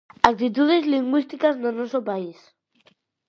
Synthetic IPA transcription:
ak̚t̪it̪uðezliŋɡwist̪ikaznonɔsopais

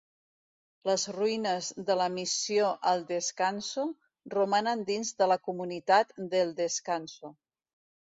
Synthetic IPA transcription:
ləzruinəzðələmisioʔəlˠd̪əskansu | rumanənd̪inzðələkumunit̪at̪d̪əlˠd̪əskansu

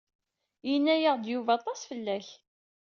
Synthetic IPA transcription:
jənːæjəʁd̪juvɑt̪ˤɑsfəlːæç

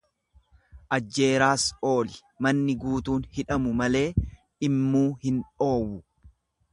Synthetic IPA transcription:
ʔɐd͡ʒːe̞ːɾaːso̞ːlɪ | mɐnːɪɡuːt̪uːnhɪᶑɐmʊmɐle̞ː | ɪmːuːhɪnᶑo̞ːwːʊ

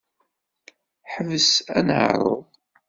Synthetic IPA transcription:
ħəvəsæ̰nʕ̰ɾˤo̰ðˤ

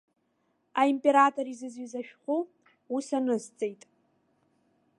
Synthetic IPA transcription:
aimpʼe̞ɾatʰʼo̞ɾizɨzɥizaʃᶣχʷu | usanɨzt͡sʼejtʼ

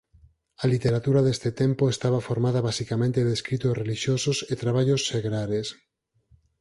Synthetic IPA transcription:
alit̪eɾat̪uɾaðest̪et̪empoest̪aβ̞afoɾmaðaβasikamẽnt̪eðeskɾit̪osreliʃjososet̪ɾaβ̞aʎosːeɣɾaɾes

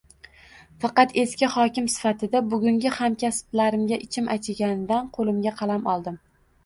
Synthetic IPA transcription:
fɑqɑt̪ʰe̞skʲɪhɒkʲɪmsɪ̥fat̪ʰɪd̪abʊɡʲʊŋɡʲɪhamkʲasplaɾɪmɡʲaʔɪt͡ʃʰɪmʔat͡ʃʰɪɡʲanɪd̪anqʰolˠɪmɡʲaqʰɑlamɒlˠd̪ɪm

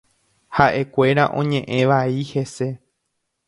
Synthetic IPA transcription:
haʔe̞kʷe̞ɾaʔõ̞ɲẽʔẽ̞ʋaihe̞se̞

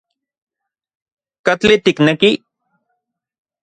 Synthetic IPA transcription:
kat͡ɬit̪ikneki

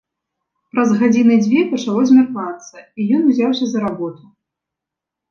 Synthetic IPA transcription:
pɾɐzɣad͡zʲinɨd͡zʲvʲɛpɐt͡ʂalˠɔzʲmʲarkvat̪sːɐijɔnuzʲawsʲɐzɐɾabɔt̪u

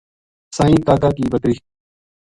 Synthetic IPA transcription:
sãːĩːk̪aːkaːkiːbəkɾiː

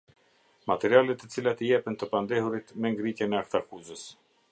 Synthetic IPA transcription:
mat̪ɛɾialɛt̪ːət͡silat̪əjɛpənt̪əpand̪ɛhuɾit̪mɛŋɡɾit̪jɛnɛakt̪akuzəs

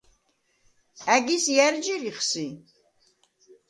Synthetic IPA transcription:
æɡisjæɾd͡ʒiɾiχsi

